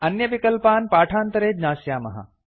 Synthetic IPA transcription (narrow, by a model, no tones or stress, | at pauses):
ɐnjɐʋikɐlpaːnpaːʈʰaːnt̪ɐɾeːd͡ʒnaːʃjaːmɐɦɐ̰